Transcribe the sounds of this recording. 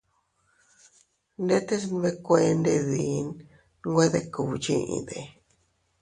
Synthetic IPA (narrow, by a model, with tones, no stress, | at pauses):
nd̪e˦t̪e˦s̬n˦βe˦kʷe˧nd̪e˧ði˨˦n | ŋɡʷe˦ðe˧ku˨˧t͡ʃi˦ʔḭ̃˧ðe˨